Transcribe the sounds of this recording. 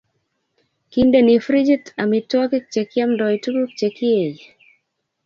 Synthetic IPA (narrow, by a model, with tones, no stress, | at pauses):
kinde˦ni˨fɾi˦d͡ʒi˦ta˨mitwɔ˦kik̚t͡ʃeki˦a˦mndɔitu˦ku˦kt͡ʃeki˦e˨j